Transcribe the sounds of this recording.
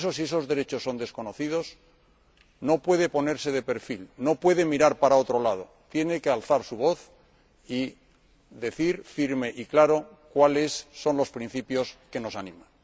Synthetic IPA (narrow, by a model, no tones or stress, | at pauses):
sosie̞so̞zðe̞ɾe̞t͡ʃo̞sːo̞nd̪e̞sko̞no̞θið̞o̞s | no̞pwe̞ðe̞po̞ne̞ɾse̞ð̞e̞pe̞ɾfilno̞pwe̞ðe̞miɾaɾpaɾao̞t̪ɾo̞lað̞o̞ | t̪je̞ne̞kealθaɾsuβ̞o̞θ | i | ðe̞θiɾfiɾme̞ʔiklaɾo̞ | kwalesːo̞nlo̞spɾĩn̟θipjo̞ske̞no̞sanĩmãn